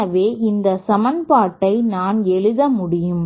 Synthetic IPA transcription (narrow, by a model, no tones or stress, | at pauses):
ɐʋeːʔɪnd̪ɐsɐmɐnpaːʈːɐɪnaːnɛɭɯðɐmʊɽɪjɯm